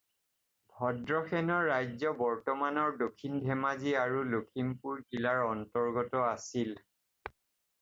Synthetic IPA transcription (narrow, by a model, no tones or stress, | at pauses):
bʱɔdɹɔxɛnɔɹːajzɔbɔɹtɔmanɔɹdokʰːinbʱɛmaziaɹulokʰimpuɹdilaɹɔntɔɹɡɔtɔasil